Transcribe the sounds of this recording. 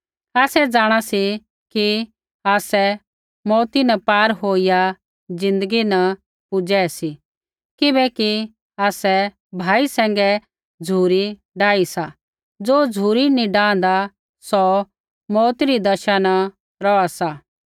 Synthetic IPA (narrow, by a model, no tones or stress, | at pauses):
aːsɛd͡zaːɽ̃asi | ki | aːsɛ | mɔːt̪inɐpaːɾɦoːija | d͡zɪ̃nd̪əɡinɐ | pʊd͡ʒɛsi | kɪbɛki | aːsɛ | bʱaːisɛ̃ːŋɡɛ | d͡zʱuːɾi | ɖaːisa | d͡zoːd͡zʱuːɾinĩɖãːnd̪a | sɔ | mɔːt̪iɾid̪ɐʃanɐ | ɾɔasa